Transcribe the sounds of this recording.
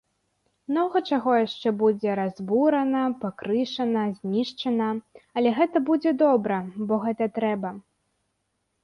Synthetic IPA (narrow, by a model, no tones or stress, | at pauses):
mnɔɣɐt͡ʂaɣɔjaʂt͡ʂɛbud͡zʲɛɾazbuɾɐnɐpakɾɨʂɐnɐzʲnʲiʂt͡ʂɐnɐɐlʲɛɣɛt̪ɐbud͡zʲɛd̪ɔbɾɐbɔɣɛt̪ɐt̪ɾɛbɐ